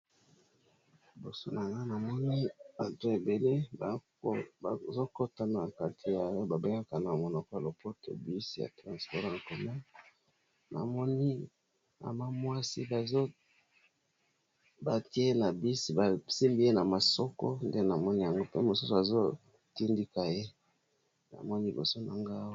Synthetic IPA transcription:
bo˨so˦na˨ŋɡa˦na˨mɔ˦ni˦a˨to˦e˨be˨le˦˨ | zo˦ko˦ta˦na˨ka˦tʰi˨ja˨jo˦ba˨be˦ŋɡa˦ka˨na˨mo˨nɔ˨kɔ˦ja˨lo˨po˦to̰˨bi˦si˦ja̰˨tʁã˨spɔ˦ʁa˨ŋko˨ma˦ | na̰˨mɔ˦ni˦ | a̰˨ma˦mwa˦si˦ba˨zo˦ | ba˨ti˦e˦e˦na˨bi˦si˦ba˨si˦mbi˦je˦na˨ma˨sɔ˦ko̰˦nde˦na˨mɔ˦ni˦ja˨ŋɡo˦pe˦mo˨su˦so˨a˨zo˦ | ti˦ndi˦ka˨je˦ | na̰˨mɔ˦ni˦bo̰˨so˦na˨ŋɡa˦

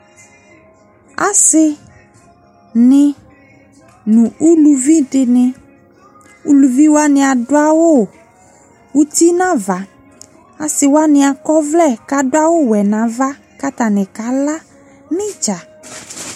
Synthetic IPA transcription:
a˨sɪ˦ | nɪ̃˦ | nũ˨u˦lu˨vi˦ɖɪ˨nɪ̃˨ | u˦lu˨vi˦wo˦a˦nɪ̃˨a˨ɖʊ˦a˦wo˦˨ | wu˦t̪i˦nã˦va˨ | a˨sɪ˨wo˦a˦nɪ̃˨a˨kɔ˦vlɛ˦˨ka˨dʊ˦a˦wo˦wɛ˨nã˨va˦ | ka˦t̪a˨nɪ̃˨ka˨˦la˦ | nɪ̃˦d͡ʒa˨

